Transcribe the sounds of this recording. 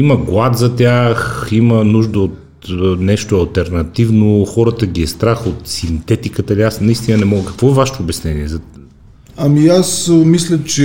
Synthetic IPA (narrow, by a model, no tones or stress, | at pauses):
iməɡlˠat̪zɐt̪ʲjaximənuʒd̪əot̪ | nɛʃt̪oɐlˠt̪ɛɾnɐt̪ivnoxɔɾət̪əɡiɛst̪ɾaxot̪sint̪ɛt̪ikət̪əliasnɐist̪inənɛmɔɡəkɐ̥kvɔɛvaʃɛ̥t̪oːbɛsnɛniɛzɐ | ɐmiasmislʲət͡ʃɛ